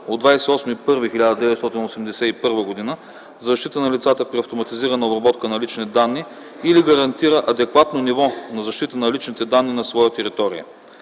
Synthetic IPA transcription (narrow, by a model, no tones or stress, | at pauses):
od̪vajsɛɔsmiːpɤɾvixilʲad̪əd̪ɛvɛt̪st̪ɔt̪inosɛmd̪ɛsɛipɤɾvəɡod̪inə | zɐʃt̪it̪ənɐlit̪sat̪əpɾiɐft̪omɐt̪iziɾənɐobɾɐbɔt̪kənɐlit͡ʃnid̪anːi | iliɡɐɾɐnt̪iɾəʔɐd̪ɛkvat̪nonivɔnɐzɐʃt̪it̪ənɐlit͡ʃnit̪ɛd̪anːinɐsvɔjət̪ɛɾit̪ɔɾḭə̰